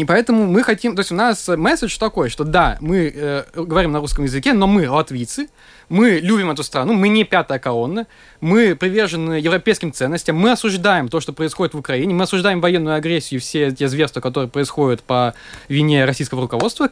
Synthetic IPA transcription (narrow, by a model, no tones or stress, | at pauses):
ipɐɛt̪əmʊmɨxɐtʲimt̪o̞ɪsʲʊnasəmɛsʲɪt͡ʃt̪ɐko̞jəʂt̪od̪amɨəɡəvɐɾʲimnɐɾuskəmjɪzɨkʲeno̞mɨlˠɐt̪vʲijt̪sɨ | mɨlʲubʲɪmɛt̪ʊst̪ɾɐnumɨnʲɪpʲat̪əjəkɐlˠonːə | mɨpɾʲɪvʲe̞rʐɨnːɨjəjɪvɾɐpʲejskʲɪmt̪sɛnːəsʲtʲəmːɨɐsʊʐd̪ajɪmt̪o̞ʂt̪o̞pɾəɪsxodɪt̪vʊkɾɐinʲɪmɨɐsʊʐd̪ajɪmvɐjenːʊjʊɐɡɾʲesʲːɪjʊfsʲetʲezvʲerst̪vəkɐt̪o̞ɾɨjəpɾəɪsxo̞dʲɪt̪pəvʲɪnʲe̞ɾɐsʲijskəvəɾʊkɐvo̞t̪st̪və